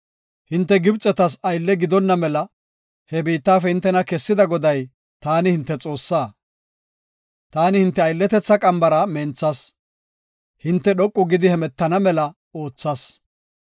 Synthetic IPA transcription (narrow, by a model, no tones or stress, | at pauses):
hɪnt̪ːɛɡɪbt͡sʼɛt̪ɐs̬ɐjlːɛɡɪd̪ɔnːɐmɛlɐ | hɛbiːt̪ːaːfɛhɪnt̪ːɛnɐkɛsːɪd̪ɐɡɔd̪ɐj | t̪aːnɪhɪnt̪ːɛt͡sʼo̞ːsːaː | t̪aːnɪhɪnt̪ːɛɐjlːɛt̪ɛt͡sːɐkʼɐmbɐɾɐmɛnt͡sːɐs | hɪnt̪ːɛɗɔkʼːʊɡɪd̪ɪhɛmɛt̪ːɐnɐmɛlɐ | o̞ːt͡sːɐs